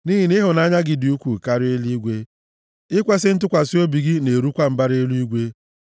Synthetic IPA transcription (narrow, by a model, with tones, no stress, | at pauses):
ni˦ɦi˨nɪ˦ɦʊ˨na˦ɲa˦ɡɪ˨dɪ˨u˦kʷu˨ka˦ɾe˦li˦ɡʷe˦ | ɪ˦kʷe˦sɪ˦n̩˦tʊ˦kʷa˨si˦o˦bi˨ɡi˦ne˨ɾu˦kʷa˦m̩˨ba˦ɾe˦lu˦i˦ɡʷe˦